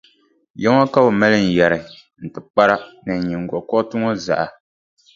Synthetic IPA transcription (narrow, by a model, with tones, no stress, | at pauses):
jɛ˦ŋ˦a˦ka˦o˨ma˦lɨ˦n̩˨jɛ˨ɾɨ˨ | n̩˨tɨ˨k͡pa˦ɾa˦nɨ˨ɲi˨ŋ˨ɡɔ˨kɔ˦tɨ˦ŋɔ˦za̰˨ʔa˨